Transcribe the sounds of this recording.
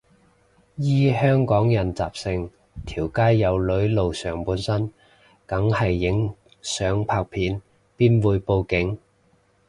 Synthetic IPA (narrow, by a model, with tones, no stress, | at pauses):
jiː˥hœː˥ŋkɔː˨˥ŋjɐ˨˩nt͡saː˨p̚sɪ˧ŋ | t̪ʰiː˨˩wkaː˥jːɐ˨˧wlɵ˨˥ɥlo˨wsœː˨˩ŋpuː˨˧˥nsɐ˥n | kɐ˨˥ŋhɐ˨jːɪ˨˥ŋ | sœː˨˥ŋpʰaː˧k̚pʰiː˨˥n | piː˥nwuː˨˧jpo˧wkɪ˨˥ŋ